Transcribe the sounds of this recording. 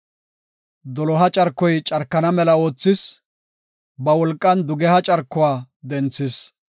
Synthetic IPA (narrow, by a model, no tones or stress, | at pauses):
d̪ɔlɔɦɐt͡ʃʼɐɾkːɔjt͡ʃʼɐɾkːɐnɐmɛlɐo̞ːt͡sːɪs | bɐwɔlkʼːɐnd̪ʊɡɛhɐt͡ʃʼɐɾkːʊwaː | d̪ɛnt͡sːɪs